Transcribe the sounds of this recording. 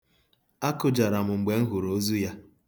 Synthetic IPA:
a˦kʊ˨d͡ʒa˨ɾa˨mʊ˨ŋ͡m̩˨ɡ͡be˨ŋ̩˦ɦʊ˨ɾo˦zu˦ja˦

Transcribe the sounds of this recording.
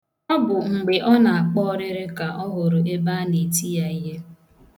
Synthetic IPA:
ɔ˦bʊ˨ŋ͡m̩˨ɡ͡be˨ʔɔ˦na˨a˨k͡pɔ˦ɔ˦ɾɪ˦ɾɪ˦ka˨ʔɔ˦ɦʊ˨ɾʊ˨e˦ba˦ne˨ti˦ja˨i˦ɦe˦

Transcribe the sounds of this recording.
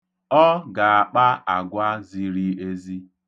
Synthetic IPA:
ɔ˦ɡa˨a˨k͡pa˦a˨ɡʷa˦zi˦ɾi˦e˦zi˦

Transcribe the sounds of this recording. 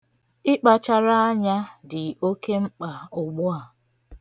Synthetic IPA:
ɪ˦k͡pa˨t͡ʃa˦ɾa˦a˦ɲa˦dɪ˨o˦ke˦ŋ͡m̩˦k͡pa˨ʊ˨ɡ͡bʊ˦a˨

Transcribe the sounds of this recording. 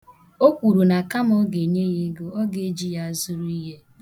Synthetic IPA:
o˦kʷu˨ɾu˨na˨ka˦m˦ɔ˦ɡe˨ɲe˦ɣe˦ɡo˦ɔ˦ɡe˨˦d͡ʒi˦ja˦zʊ˦ɾu˦i˦ɦe˦

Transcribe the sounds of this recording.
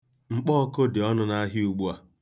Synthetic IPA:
ŋ͡m̩˨k͡pɔ˦ko˦dɪ˨ɔ˦nʊ˦na˦ɦi˦u˨ɡ͡bu˦a˨

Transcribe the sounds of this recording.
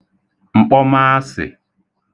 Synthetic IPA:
ŋ͡m̩˨k͡pɔ˦ma˦sɪ̰˨

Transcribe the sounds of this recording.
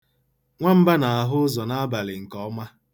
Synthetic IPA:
ŋʷa˦m̩˦ba˦na˨a˨ɦʊ˦zɔ˨na˦a˦ba˨lɪ˨ŋ̩˨kɔ˦ma˦

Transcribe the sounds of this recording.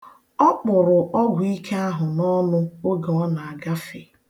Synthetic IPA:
ɔ˦k͡pʊ˨ɾʊ˨ʔɔ˦ɡʷʊ˨i˦kʰe˦a˦ɦʊ˨nɔ˦nʊ˦o˦ɡe˨ɔ˦na˨a˨ɡa˦fe˨

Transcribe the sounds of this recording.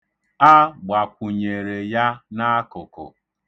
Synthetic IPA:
a˦ɡ͡ba˨kʷu˨ɲe˨ɾe˨ja˦na˦kʊ˨kʊ̰˨

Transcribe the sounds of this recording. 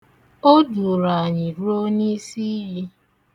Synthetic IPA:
o˦du˨ɾa˨ɲɪ˨ɾu˦o˦ni˦si˦ji˦

